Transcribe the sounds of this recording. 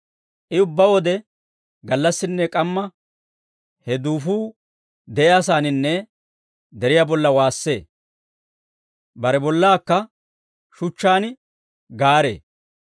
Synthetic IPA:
ʔɪʊbːɐwɔd̪ɛ | ɡɐlːɐsːɪnːɛkʼɐmːɐ | hɛd̪uːfuː | d̪ɛʔɛɐsaːnɪnːɛ | d̪ɛɾɪjabɔlːɐwaːsːe̞ː | bɐɾɛbɔlːaːkːɐ | ʃʊt͡ʃːaːn | ɡaːɾḛː

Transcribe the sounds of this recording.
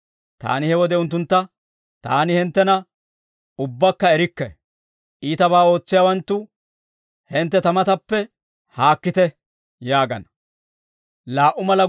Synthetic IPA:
t̪a̰ːnɪhɛwɔd̪ɛʊnt̪̬ːʊnt̪ːɐ | t̪a̰ːnɪhɛnt̪ːɛnɐ | ʊbːɐkːɐɛɾɪkːɛ̰ | ʔiːt̪ɐbaːo̞ːt͡sːɪjaːwɐnt̪ːʊ | hɛnt̪ːɛt̪ɐmɐt̪ɐpːɛ | haːkːɪt̪ɛ | jaːɡɐ̰nɐ | laːʔʊmɐlɐ

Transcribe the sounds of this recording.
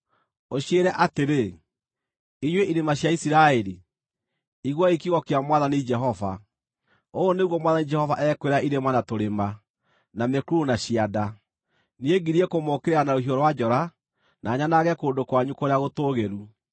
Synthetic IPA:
oɕieɾɛʔateɾe | iɲweʔiɾemaɕjaisiɾaeɾi | iɣwɔikiɣɔkeamwaðanid͡ʒɛɦɔva | oːneɣwɔmwaðanid͡ʒɛhɔvaʔɛkweɾaʔiɾemanatoɾema | namekuɾunaɕiada | nieɡiɾiɛkomɔkeɾeanaɾoɦioɾwad͡ʒɔɾa | nʔaːɲanaɣɛkoːndokwaɲukoɾeaɣotoːɣeɾu

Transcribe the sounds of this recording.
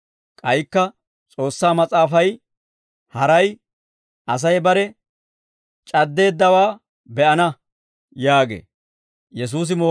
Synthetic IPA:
kʼɐjkːɐ | t͡sʼo̞ːsːaːmɐt͡sʼaːfɐj | hɐɾɐj | ɐs̬ɐjbɐɾɛ | t͡ʃʼɐd̪ːe̞ːd̪ːɐwaː | bɛʔɐnɐ | jaːɡḛː | jɛs̬uːs̬ɪmoː

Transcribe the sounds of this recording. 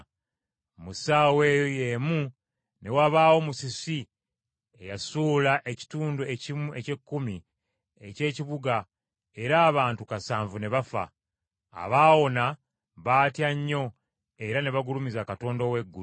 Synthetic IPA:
musaːwe̞ːjo̞je̞ːmu | ne̞waβaːwo̞musisi | e̞jasuːlaʔe̞ci̥tuːndue̞cimue̞ce̞kːumi | e̞ce̞ːciβuɡa | e̞ɾaːβaːntukasaːɱvune̞βafa̰ː | βaːwo̞na | βaːtjaɲːo̞ | e̞ɾane̞βaɡulumizakato̞ːndo̞we̞ɡːu

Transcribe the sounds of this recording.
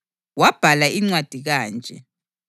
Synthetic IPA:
wab̥ʱalaiŋ͡ǀwad̥ʱiɣaːnd͡ʒʱɛ̰

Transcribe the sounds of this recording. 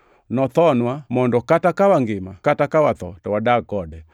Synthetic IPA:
nɔθɔnwamɔndɔkatakawaŋɡimakatakawaθɔ̰tɔwadakɔdɛ

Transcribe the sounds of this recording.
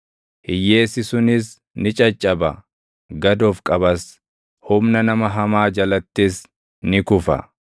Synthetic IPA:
hɪjːe̞ːsɪsʊnɪs | nɪt͡ʃʼɐt͡ʃʼːɐbɐ̰ | ɡɐd̪oːfkʼɐbɐs | hʊmnɐnɐmɐɦɐmaːd͡ʒɐlɐt̪ːɪs | nɪkʊfɐ̰

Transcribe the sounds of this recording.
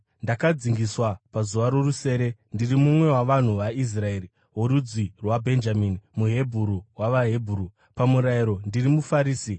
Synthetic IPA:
ndakad͡ziŋɡiswapazuʋaɾo̞ruse̞ːɾe̞ndirimumwe̞waʋan̤uʋais̬rae̞ri | ɦoɾud͡zirwabʱe̞nd͡ʒaminimuɦe̞bʱuɾuwaʋaɦe̞bʱuɾu | pamuɾaiɾo̞ndirimufaɾiːsi

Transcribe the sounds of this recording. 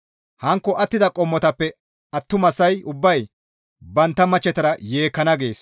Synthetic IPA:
hɐŋkːɔʔɐt̪ːɪd̪ɐkʼɔmːɔt̪ɐpːɛ | ɐt̪ːʊmɐsːɐjʊbːɐj | bɐnt̪ːɐmɐt͡ʃːɛt̪ɐɾɐje̞ːkːɐnɐɡe̞ːs

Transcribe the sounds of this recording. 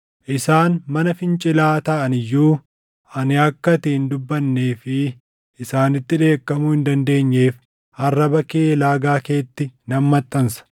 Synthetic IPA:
ʔɪsaːnmɐnɐfɪnt͡ʃʼɪlaːt̪ɐʔɐnɪjːuː | ʔɐnɪɐkːɐt̪iːnd̪ʊbːɐnːe̞ːfɪ | ʔɪsaːnɪt̪ːɪᶑe̞ːkːɐmʊhɪnd̪ɐnd̪e̞ːɲːe̞ːf | ɐrːɐbɐkeːlaːɡaːke̞ːt̪ːɪnɐmːɐt̪ʼːɐnsɐ̥

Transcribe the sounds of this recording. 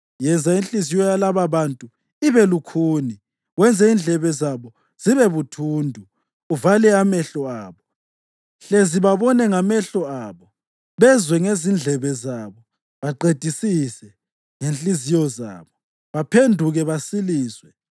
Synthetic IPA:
jɛnd͡zʱainɬʼizijɔjalaβaβantʼu | iβɛlukʰuːni | wɛnd͡zʱɛind͡ɮʱɛβɛzaβɔ | z̥iβɛβutʰuːndʱu | uvalɛamɛɬɔaːβɔ | ɬeziβaβɔnɛŋamɛɬɔaːβɔ | βɛzwɛŋezind͡ɮʱɛβɛzaβɔ | βaǃed̥ʱisisɛ | ŋent͡ɬʼizijɔza̰ːβɔ | βapʰendʱuɣɛβasiliːzwɛ

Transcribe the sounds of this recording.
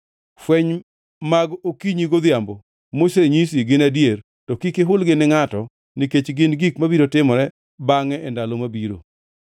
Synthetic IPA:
fwɛɲ | maɡokiɲiɡod̪ɪjambo | moseɲisiɡɪnadjer | tɔkikɪɦʊlɡɪnɪŋatɔ | niket͡ʃɡɪnɡikmabiɾotɪmɔɾɛ | baŋɛʔɛndalomabiɾo̰

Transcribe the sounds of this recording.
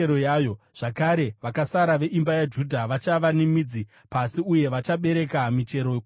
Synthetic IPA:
eɾojajo̞ | ʐ̥akaɾe̞ʋakasaɾaʋe̞ʔimbajad͡ʒudʱaʋat͡ʃaʋanemid͡zi | pasiuje̞ʋat͡ʃaɓe̞ɾe̞kamit͡ʃe̞ɾo

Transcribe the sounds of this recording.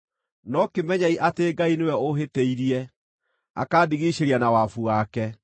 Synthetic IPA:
nɔkemɛɲaiʔateɡainewɛoɦeteiɾiɛ | a̰kaːdiɣiɕeɾianawafuakɛ

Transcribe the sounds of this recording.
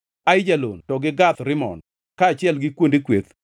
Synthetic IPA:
ajd͡ʒalontɔɡɪɡat̪ɾɪmɔ̰n | kaːt͡ʃɪɛlɡɪkwondikwet̪

